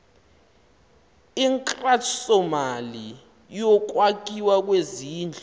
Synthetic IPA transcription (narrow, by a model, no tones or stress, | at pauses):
iŋkʼrasɔmali | jɔk̬wak̬iwak̬weziːnd͡ɮʱɔ